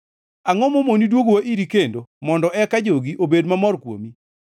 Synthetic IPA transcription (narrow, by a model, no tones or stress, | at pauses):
aŋɔmomonidwoɡowaʔiɾikendomɔndɔʔɛkad͡ʒoɡiʔobedmamɔrkwo̰mi